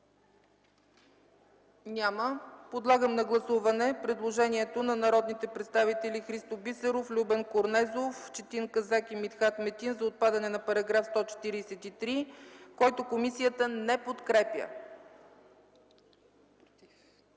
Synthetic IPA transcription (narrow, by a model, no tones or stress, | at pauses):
nʲaməpod̪lˠaɡəmnɐɡlˠɐsuvɐnɛpɾɛd̪lˠoʒɛniɛt̪onɐnɐɾɔd̪nit̪ɛpɾɛt̪st̪avit̪ɛlixɾist̪obisɛɾoflʲubɛnkoɾnɛzoft͡ʃɛt̪inkɐzakimit̪xat̪mɛt̪inzɐot̪̚pad̪ɐnɛnɐpɐɾɐɡɾafst̪ɔt͡ʃɛ̥t̪iɾisɛt̪it̪ɾikɔjt̪okomisijət̪ənɛpot̪kɾɛpjə̰